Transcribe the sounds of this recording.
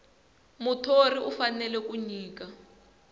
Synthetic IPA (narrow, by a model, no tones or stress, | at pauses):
mutʰoriʔufanɛlɛkuɲiːka